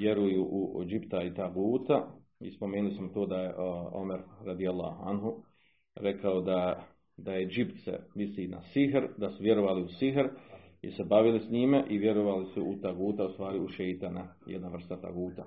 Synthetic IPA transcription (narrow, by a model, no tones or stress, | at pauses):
ʋjeɾujuʔud͡ʒibt̪ait̪aɡuːt̪a | ḭspo̞meːnulismot̪oːd̪ajeʔo̞̰meɾɾad̪ialːa̰ːha̰nɦu | ɾe̞kʰaod̪a | d̪aje̞d͡ʒibt̪sḛmisina̰siɦɾd̪asuʋje̞ɾo̞ʋaːliusiɦɾ | ise̞baʋilisɲiːmeʔiʋje̞ɾoʋalisuut̪aɡuːt̪aust̪ʋaːɾiuʃejt̪anajed̪naʋr̩st̪at̪a̰ɡuːt̪a